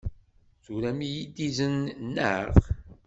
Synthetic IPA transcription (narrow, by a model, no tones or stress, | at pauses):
θuɾæmijid̪izənnːəʁ